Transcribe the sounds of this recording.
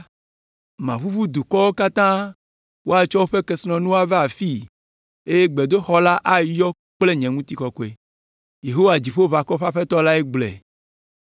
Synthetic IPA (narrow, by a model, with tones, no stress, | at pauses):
mã˨βu˦βu˦d̪u˨kɔ˦wo˦ka˦t̪ã˦ | wo˦a˨t͡ʃɔ˦wo˦ɸe˦ke˨snɔ̃˨nũ˦wo˦a˦ve˦a˨fi˦ | e˦je˦ɡ͡be˨d̪o˦xɔ˦la˦ʔa˦jɔ˦ | k͡ple˦ɲɛ̃˨ŋũ˦t̪i˨kɔ˨kɔ˨e˨ | je˨ɦo˦wa˨d͡ʑi˨ɸo˦βa˨kɔ˦ɸa˦ɸe˦t̪ɔ˦la˦e˦ɡ͡blɛ̰˨